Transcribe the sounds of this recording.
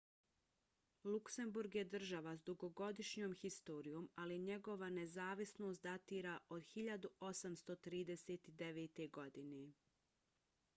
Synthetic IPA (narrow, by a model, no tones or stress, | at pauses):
lukse̞mbuɾɡjed̪r̩ʒaʋasd̪uɡo̞ɡo̞d̪iʃɲoːmxist̪o̞ːɾijoːmaliɲe̞ɡo̞ʋane̞zaːʋisno̞ːst̪d̪at̪iːɾaʔo̞d̪xiʎad̪uo̞samst̪o̞t̪ɾiːd̪eseːt̪id̪eʋeːt̪e̞ɡo̞d̪ine